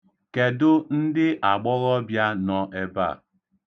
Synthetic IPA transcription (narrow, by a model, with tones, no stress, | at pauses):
ke˨dʊ˦n̩˦dɪ˦ʔa˨ɡ͡bɔ˦ɣɔ˦bja˦nɔ˦ʔe˦ba̰˦˨